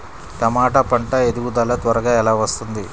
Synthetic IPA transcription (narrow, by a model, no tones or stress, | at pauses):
t̪ɐmaːʈɐpɐɳʈɐed̪uɡud̪ɐlɐt̪ʋɐɾɐɡaːɛlaːʋɐst̪und̪i